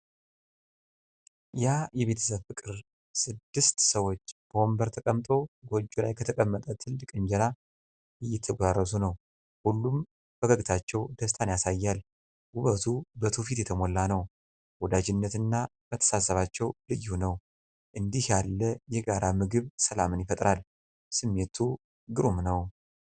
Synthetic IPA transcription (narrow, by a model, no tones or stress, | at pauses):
jajɛβe̞t̪ʰə̥səβfɨkʼɨɾ | sɨd̪ːɨst̪səwo̞t͡ʃːb̥əombəɾt̪ʰəkʼəmt̪ʼo̞ɡo̞d͡ʒːulajkʰət̪ʰəkʼəmːət̪ʼət̪ʰɨlːɨkʼɨɲd͡ʒɛɾa | ɨjːɛt̪ʰəɡʷarːəsunəw | hulːum | b̥əɡəɡt̪ʰat͡ʃːɛwd̪əst̪ʰanjasajːal | ʔuβət̪ʰubət̪ʰufit̪jɛt̪ʰəmolːanəw | wɔd̪ad͡ʒɪnːət̪ɨnːabət̪ʰə̥sasːəβat͡ʃːɛwlɨjːunəw | ʔɨnd̪ihjalːəjɛɡaɾamɨɡɨβsəlamɨnjɪfət̪ʼɾal | sɨmːe̞t̪ʰu | ɡɨɾumnəw